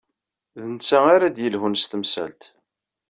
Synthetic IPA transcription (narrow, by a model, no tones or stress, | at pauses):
ðənt͡sːæaɾad̪jəlhunst̪əmsæ̰lt̪